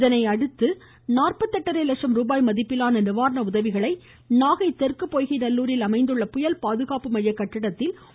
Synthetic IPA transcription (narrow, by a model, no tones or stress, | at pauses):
ðɐnɐɪɐɽɯt̪ːɯ | naːrpɐt̪ːɐʈːɐɾɐɪlɐkʂɐmɾuːbaːjmɐðɪpːɪlaːnɐnɪʋaːɾɐnɐʊðɐʋɪɣɐɭɐɪ | naːɣɐɪt̪ːɛrkɯpːoːjɣɐɪnɐlːuːɾɪlɐmɐɪnd̪ɯɭːɐpʊjɐlpaːðɯɣaːpɯmɐjːɐkːɐʈːɪɽɐt̪ːɪl